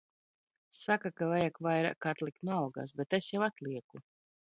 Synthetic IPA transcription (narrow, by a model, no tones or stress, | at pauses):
sakakavajakvajɾa̰ːkat̪lˠik̚t̪nuawɡa̰ːsbɛt̪esjawat̪lˠiɛku